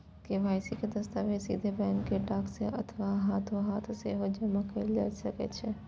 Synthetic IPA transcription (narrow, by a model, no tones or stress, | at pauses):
keʋaːɪsikʰed̪ɐst̪aːʋesḭːd̪ʱebɛ̃ːŋkeʈaːkseʔɐt̪ʰʋaɦaːt̪ʰoɦaːt̪ʰseɦod͡ʒɐmãkɐila̰ːsɐkḛt͡ʃʰɪ